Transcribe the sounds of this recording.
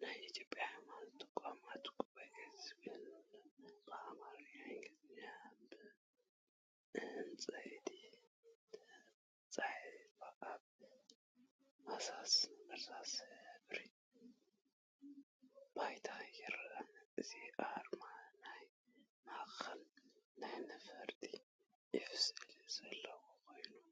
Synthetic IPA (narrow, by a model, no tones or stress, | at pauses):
najit̪ʰjo̞pʼjamanɨt̪ʼɨ̥kʷʼamat̪kʼuβajʔezɡɨn | kʼamaɾaŋɡɨzɨɲabɨ | ɨnt͡sʼɐd̪i | t͡sʼaħbaʔaβ | masasmɨɾsʰasbɾi | b̥ajt̪ʰajɛɾanɨziʔaɾmanaj | maxɐlnajnɨfɐɾt̪ʼi | jɪfɨsɨliz̥ɐlːɐwokʰo̞jnu